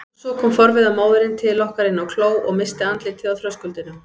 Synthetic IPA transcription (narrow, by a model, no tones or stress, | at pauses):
sɔkʰɔːmfɔɾvɪðamaːwðɪɾɪnt̪ʰɪlːɔhkaɾɪnːawkʰloːwʔɔ̰ɣmɪst̪ɪant̪lɪt̪ʰɪðaθɾœskʏlt̪ɪna